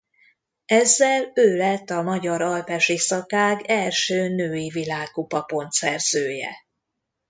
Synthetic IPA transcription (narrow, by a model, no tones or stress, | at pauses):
ɛzːɛløːlɛt̪ːɒmɒɟɒɾɒlpɛʃisɒkaːɡɛlʃøːnøːjivilaːkːupɒpo̞nt̪sɛrz̥øːjɛ̰